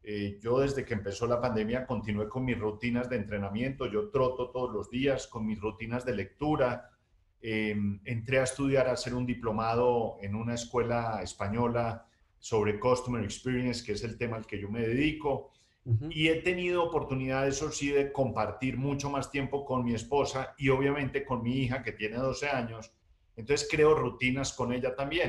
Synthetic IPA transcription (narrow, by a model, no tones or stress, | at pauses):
ed͡ʒo̞ðe̞zd̪e̞keːmpe̞so̞lapand̪emjako̞nt̪inwe̞ko̞nmisrut̪inazd̪e̞ːnt̪ɾe̞namjẽ̞nt̪o̞ʝo̞t̪ɾo̞t̪o̞t̪o̞ðozlo̞zd̪iasko̞nmisrut̪inazd̪e̞le̞k̚t̪uɾa | ement̪ɾe̞aest̪uð̞jaɾase̞ɾund̪iplo̞mað̞o̞e̞nunaeskwe̞laespaɲo̞la | so̞βɾe̞kost̪umeɾekspiɾjenskeese̞lt̪e̞maelke̞ʝo̞me̞ðeðiko̞ | ie̞t̪e̞nið̞oːpo̞ɾt̪uniðaðesosiðe̞ko̞mpaɾt̪iɾmut͡ʃo̞mast̪je̞mpo̞ko̞nmie̞spo̞saio̞βjamẽ̞nt̪e̞ko̞nmiixake̞t̪je̞ne̞ð̞o̞se̞aɲo̞s | ent̪onse̥skɾe̞o̞rut̪inasko̞ne̞ʎat̪ambje̞n